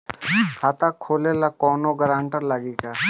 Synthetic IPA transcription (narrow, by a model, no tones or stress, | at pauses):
kʰaːt̪akʰːoːlelakɔːnoɡəɾãːɳʈəɾlaɡiːka